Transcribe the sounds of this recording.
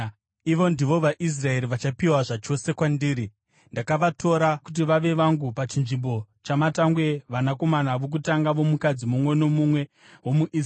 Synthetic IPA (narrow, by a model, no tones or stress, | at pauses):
iʋo̞ndiʋo̞ʋaʔis̬rae̞ɾiʋat͡ʃapiwaʐat͡ʃo̞se̞kwandiːɾi | ndakaʋatʰo̞ɾakut̬iʋaʋe̞ʋaŋɡupat͡ʃinʐimbo̞ | t͡ʃamataŋɡwe̞ʋanako̞manaʋok̬utaŋɡaʋo̞mukad͡zimumwe̞no̞mumwe̞ | wo̞muʔi